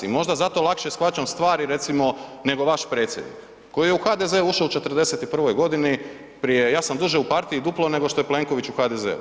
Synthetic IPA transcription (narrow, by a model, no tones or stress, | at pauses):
imo̞ʒd̪azat̪o̞lˠakʃesxʋat͡ɕamst̪ʋaːɾiɾe̞t̪simo̞ne̞ɡo̞ʋaʃpɾe̞ːt̪sjed̪nḭk | kːo̞jije̞uxad̪eze̞uuʃout͡ʃe̞t̪r̩d̪e̞se̞t̪ipr̩ʋo̞jɡo̞d̪ini | pɾijejaːsamd̪uʒeupaɾt̪iid̪uplˠo̞ne̞ɡo̞ʃt̪o̞jeple̞ːŋko̞ʋit͡ʃuxaːd̪eze̞̰ṵ